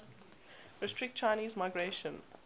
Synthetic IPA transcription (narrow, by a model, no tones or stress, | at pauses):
ɹɪstɹ̥ɪk̚t̚t͡ʃʰaɪniːzmaɪɡɹeʃə̃n